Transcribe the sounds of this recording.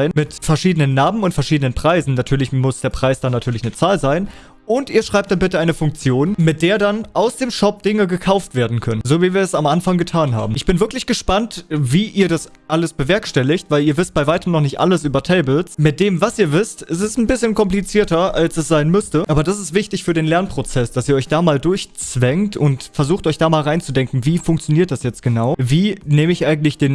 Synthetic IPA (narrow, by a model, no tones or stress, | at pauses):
ɪnmɪtfɛɐʃiːdənənːaːmənʊntfɛɐʃiːdənənpʁ̥aɪzn̩natʰyːɐlɪçmʊsd̥eːɐpʁ̥aɪsd̥anatʰyːɐlɪçnət͡saːlzaɪn | ʔʊntʔiːɐʃʁ̥aɪp̚td̥anbɪtəaɪnəfʊŋk̚t͡sjoːnmɪt̚d̥eːɐdanʔaʊsd̥eːmʃɔp̚d̥ɪŋəɡəkʰaʊftv̥eːɐdn̩kʰœnənzoːviːviːɐɛsamʔanfaŋɡətʰaːnɦa̰ːbm̩ɪçb̥ɪnvɪɐklɪçɡ̥əʃpantviːʔiːɐdas | ʔaləsb̥əvɛɐkʃtɛlɪçtv̥aɪliːɐvɪst̚b̥aɪvaɪtəmnɔχnɪçtʔa̰ləsʔyːbɐtʰɛɪbl̩smɪt̚d̥eːmvasʔiːɐvɪstɪstɛsn̩bɪsçənkɔmplit͡siːɐtɐalsɛsz̥aɪnmʏstəʔaːbɐd̥as̬ɪstv̥ɪçtɪçfyːɐdeːnlɛɐnpʁ̥ot͡sɛsd̥asiːɐɔʏçd̥aːmaːldʊɐçt͡sv̥ɛŋtʊntfɛɐzuːxtʔɔʏçd̥aːmaːlʁaɪnt͡sudɛŋkŋ̩viːfʊŋk̚t͡sjoniːɐt̚d̥asjɛt͡st̚ɡ̥ənaʊviːneːməɪçʔaɪɡŋ̩tlɪçd̥eːn